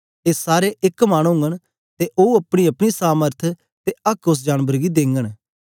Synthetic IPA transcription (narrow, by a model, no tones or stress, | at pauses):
esaːɾeʔɪkmaːɽ̃ũɦʊ̃ŋɡəɽ̃ | t̪eʔoːuɐpɽ̃iɐpɽ̃isaːməɾt̪ʰ | t̪eɐkʊs̬d͡ʒaːnbəɾɡid̪ẽːŋɡəɽ̃